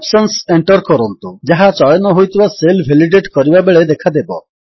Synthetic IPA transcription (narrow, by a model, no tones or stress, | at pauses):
psɔnseɳʈɔɾkɔɾɔnt̪ud͡ʒaɦat͡ʃɔjɔnɔɦojt̪ʰibaselbʱeliɖeʈkɔɾibabeɭed̪ekʰad̪ebɔ